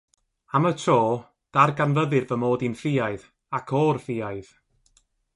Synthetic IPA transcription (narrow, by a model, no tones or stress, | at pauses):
amətʰoː | d̥arɡanvəðɨrvəmoːdinfɪːaɨð | akʰɔːrfɪːajð